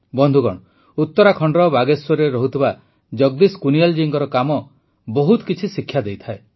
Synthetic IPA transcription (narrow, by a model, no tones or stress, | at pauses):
bɔnd̪ʱuɡɔ̰ɽ̃ | ut̪ːɔɾakʰɔɳɖɾɔbaɡeswɔɾeɾɔɦut̪ʰiba | d͡ʒɔɡ̚d̪iskunijald͡ʒiŋɡɔɾɔkamɔ | bɔɦut̪ɔ̥kit͡ʃʰisikʰːjad̪ejt̪ʰae